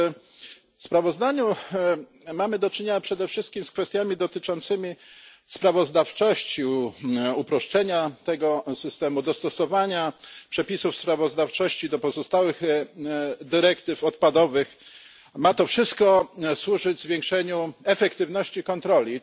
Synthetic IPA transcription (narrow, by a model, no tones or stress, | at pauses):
fspɾavɔzd̪aɲu | mamɘd̪ɔt͡ʂɘɲeɲapʂɛd̪ɛfʂɘst̪̚kʲimskfɛst̪ʲjamʲid̪ɔt̪ɘt͡ʂɔnt̪sɘmʲi | spɾavɔzd̪aft͡ʂɔɕt͡ɕi | upɾɔʂt͡ʂɛɲat̪ɛɡɔsɘst̪ɛmud̪ɔst̪ɔsɔvaɲapʂɛpʲisufspɾavɔzd̪aft͡ʂɔɕt͡ɕid̪ɔpɔzɔst̪awɘɣ | d̪ɘɾɛkt̪ɘfɔt̪̚pad̪ɔvɘx | mat̪ɔfʂɘst̪̚kɔswuʐɘd͡ʑzvʲjɛ̃ŋkʂɛɲuɛfɛkt̪ɘvnɔɕt͡ɕikɔnt̪ɾɔlʲi